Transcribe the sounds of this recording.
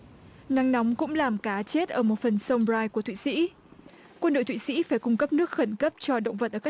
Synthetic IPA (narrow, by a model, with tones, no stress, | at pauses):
na˨˦ŋnɔ˨˦wŋ͡mkʊ̰˧˥ŋ͡mlaː˨˩mkaː˨˦t͡ɕe˦˥t̚ʔəː˧˩mo˨˩t̚fə˨˩nsə˧wmɾaː˧jku˧˩ət̪ʰḭ˧˨sḭ˧˥ | kwə˧nɗo̰˧˨t̪wḭ˧˨sḭ˧˥faː˧˩jkʊ˧ŋ͡mkə˦˥p̚nɨ˦˥ək̚xə˧˩nkə˦˥p̚t͡ɕɔ˧ɗə̰˧˨wŋ͡mvə˨˩t̚ʔəː˧˩ka˦˥